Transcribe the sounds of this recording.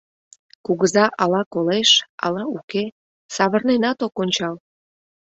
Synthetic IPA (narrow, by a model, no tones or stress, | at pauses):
kuɣəzɑʔɑlɑkoleʃɑ̰lɑuke | sɑβərnenɑt̪okonʲt͡ɕɑl